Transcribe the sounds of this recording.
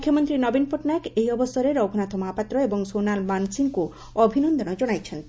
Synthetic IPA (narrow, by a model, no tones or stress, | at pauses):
mukʰːjomont̪ɾinɔbinpoʈnakejɔbost̪ɔɾeɾɔbʱunat̪ʰomapat̪ːɾoeboŋsonalmansiŋku | ɔbʱinond̪ɔnɔd͡ʑɔnajt͡ɕʰen